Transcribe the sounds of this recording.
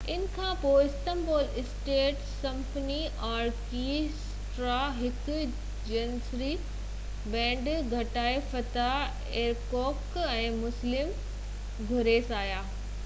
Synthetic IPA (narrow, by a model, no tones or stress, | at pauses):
ɪnkʰãpoːɪsʈ̪ə̃mboːlɪsʈeːʈ | sɐ̃mpniʔaːɾkis | ʈɾaːɦɪk | d͡ʑɐnsɾi | bɛ̃ːɳɖɡʱɐʈaːefɐt̪a | eːɾkɔːkɛ̃ːmʊslɪm | ɡʱʊɾeːsaːjaː